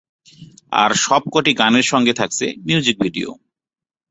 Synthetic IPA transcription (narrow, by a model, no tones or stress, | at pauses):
a̰ɾʃɔb̚koʈiɡaneɾʃɔŋɡet̪ʰakt͡ɕʰemiud͡ʑik̚bʱiɖio̰